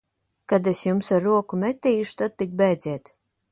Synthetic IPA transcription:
kad̪esjumsaɾːuɔkumʲɛt̪ʲːɛjuʃt̪ad̪̚t̪ik̚bɛːd̪zʲɛːt̪

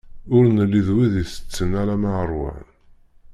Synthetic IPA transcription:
ʊɾnəlːiðwiðiθə̥t͡sːənaɾaməʕɾˤwa̰ʕn

